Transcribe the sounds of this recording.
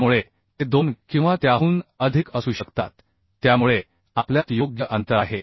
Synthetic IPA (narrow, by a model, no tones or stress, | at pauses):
muɭe | t̪ed̪onkĩw̃ʋat̪jaɦuːnəd̪ʱikəsuɕəkt̪a̰t̪ː | jamuɭe | apljat̪joɡjəʔənt̪əɾaɦe